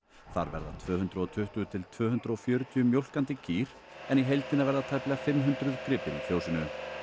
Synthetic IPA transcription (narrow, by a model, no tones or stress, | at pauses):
θa̰ɾvɛ̰ɾða̰t̪ʰvœːɦʏnt̪ɾʏɔt̪ʰʏht̪ʏt̪ʰɪlt̪ʰvœːhʏnt̪ɾaɔfjœːɾʏt̪ʰiʏmjowl̥kant̪ɪcʰiːɾ | ɛniɦejlt̪ɪnavɛɾðat̪ʰajplɛɣafɪmɦʏnt̪ɾʏðkɾɪːpɪɾifjowsɪnʏ